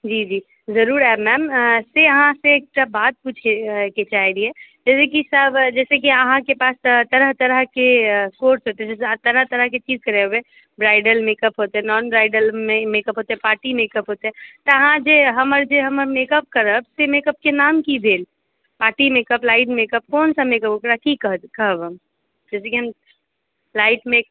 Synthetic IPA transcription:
d͡ʒiːd͡ʒiː | zəɾuːɾɛbmɛːmseəɦãseeːk̚ʈabaːt̪̚puːt͡ʃʰeket͡ʃaːɦiɾiɦɛd͡ʒɛːsekisəbd͡ʒɛːsek̬iəɦãkepaːst̪əɾəɦt̪əɾəɦkekoːɾsɦoːt̪eɦɛd͡ʒɛːsãt̪əɾəɦt̪əɾəɦket͡ʃiːzkəɾeɦobe | bɾaːɪɖəlmeːkəpɦoːt̪eɦɛnɔːnbɾaːɪɖəlmemekəpɦot̪eɦɛpaːɾʈimekəpɦot̪eɦɛt̪ɔəɦãd͡ʒeɦəməɾd͡ʒeɦəməɾmekəp̚kəɾəbsemekəp̚kenamkib̪ʱeːl | paːʈimekəplaɪʈmekəp̚kɔːnsəmekəpɦokɾakikəɦ̪kəɦəbəm | d͡ʒɛːsekiɦəm | laɪʈme

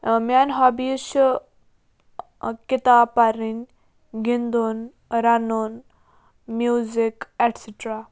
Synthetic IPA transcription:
mjanɦabiʃ | kit̪apaɾin | ɡind̪on | ɾanon | mjuzikɛʈseʈɾa

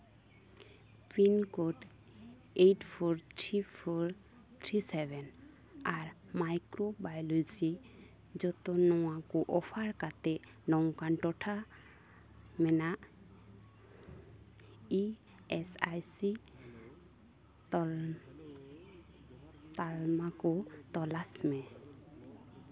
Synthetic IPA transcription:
pinkoɖ | ejʈpʰɔɾt̪ʰɾipʰɔɾ | t̪ʰɾisebɛn | aɾmajkɾobajlujt͡ʃi | d͡ʒɔt̪ɔnɔwakuʔɔpʰaɾkat̪ɛ | nɔŋkanʈɔʈʰa | mɛnaʔ | i | ɛsajsi | t̪ɔ | t̪almakɔt̪ɔlasmɛ

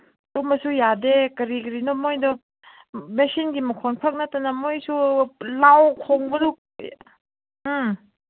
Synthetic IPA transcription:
tomɐsujadekɐɾiɡɾinɔmojdɔ | mesinɡimɐkʰɔnpʰak̚natːɐnɐmojsulawkʰoŋbɐdu

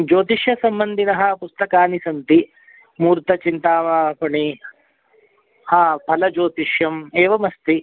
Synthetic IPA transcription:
d͡ʒoːt̪iʃjɐsɐmbɐnd̪ʱinɐɦɐ̆pust̪ɐkaːnisɐnt̪i | muːɾt̪ɐt͡ʃint̪aːʋaːpɐɳi | haːpʰɐlɐd͡ʒoːt̪iʃjɐmeːʋɐmɐst̪i

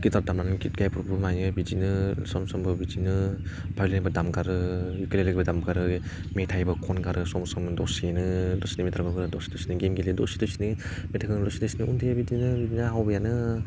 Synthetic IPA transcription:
kitaɾ̚damɾanɯkit̚ɡajpʰuɾubɯmajnɯbid͡ʒinɯsɔmsɔmbɯbid͡ʒinɯ | bʱajlanabɯdamɡaɾɯjukelelɯɡbɯdambɡaɾɯ | metʰajbɯkʰɔnɡaɾɯsɔmsɔmdɔsienɯdɔsinɯmetʰaɾɡɔɡɯɾɯdɔsi̥dɔsinɯɡemɡelidɔ̰si̥dɔsinɯmetʰakɯnɯdɔsidɯsinɯuntʰeabidinɯbid͡ʒinɯɦawbɐjanɯ

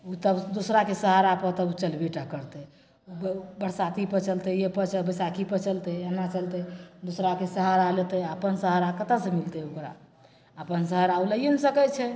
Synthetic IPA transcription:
ut̪əbd̪osɾakesəɦaɾapət̪əbut͡ʃəlbiʈakəɾt̪ɛ | bbəɽsat̪ipət͡ʃəlt̪ejepət͡ʃəbəsakʰipət͡ʃəlt̪eenːat͡ʃəlt̪ɛd̪osɾakesəɦaɾalet̪ɛəpənsəɦəɾakət̪asẽmilt̪eokɾa̰ | əpənsəɦəɾauləjənsəkɛt͡ʃʰɛ

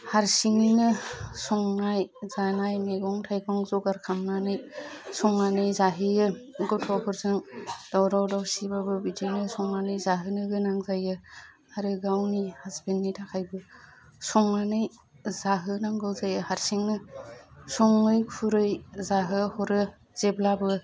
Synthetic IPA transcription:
haɾsiŋinɯsɔŋnajzanajmajɡɔŋtʰajɡɔŋzɔɡaɾkʰamnanɯjsɔŋːanɯjzaɦɯjɯ | ɡɔtʰɔhɔɾzɯŋd̥awɾawdawsibabɯbidinɯsɔŋanɯjzaɦɯnɯɡɯnaŋzajɯ | aɾɯɡawnihazbenːitʰakʰajbɯ | sɔŋːanɯj | zaɦɯnaŋɡɯwzajɯhaɾsiŋnɯ | sɔŋːɯjkʰuɾɯjzaɦɯhɔɾɯ | z̥eblabɯ

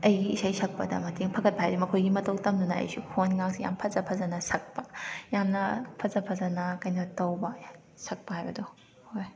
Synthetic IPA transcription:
ɐjɡiisajsɐk̚pɐdɐ̰mɐtʰeŋpʰɐkʰɐt̚pɐɦajdumɐkʰojɡimɐtʰɐwtɐmdunɐɐ̰jsukʰonŋaŋsija̰mpʰɐzɐpʰɐzɐnɐsɐk̚pɐjamnɐpʰɐzɐpʰɐzɐnɐkɐjnɐtɐwbɐ | sɐk̚pɐhajbɐdu | hoj

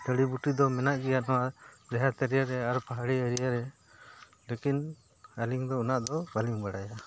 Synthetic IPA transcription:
d̪əɽibuʈid̪ɔmɛnaʔɡɛjaʔnɔwad͡ʒɛɦat̪ɛɾijaɾɛaɾpaɦaɽiəɾijaɾɛ | lekin | aliŋd̪ɔunaʔd̪ɔbaliŋbaɽaja

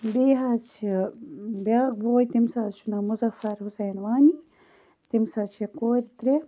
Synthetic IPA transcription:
beːɦat͡ʃʰi | bjaːk̚boːjt̪imsazt͡ʃʰunamuzɐfɐɾhusɐːnwaːni | t̪imsat͡ʃʰekoːɾit̪ɾe

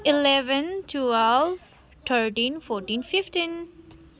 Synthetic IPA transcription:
ɪlɛʋə̃ntʰuɛl | t̪ʰəɾʈĩːnfɔːɾʈĩːnfɪfʈĩn

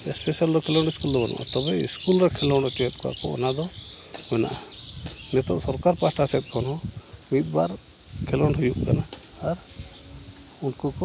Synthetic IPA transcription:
ɛspɛsiald̪ɔkʰɛlɔɳɖiskuld̪ɔbɔnʔṵʔt̪ɔbɛḭskulɾɛkʰɛlɔɳɖɔt͡ʃɔɛt̪̚ˀkɔa̰kɔɔ̰nad̪ɔ | ɛna̰ʔanɛt̪ɔsɔɾkaɾpasʈasɛt̪̚ˀkʰɔnɔuit̪̚ˀbaɾ | kʰɛlɔɳɖɦujuʔkanaː | ɾ | unkɔkɔ

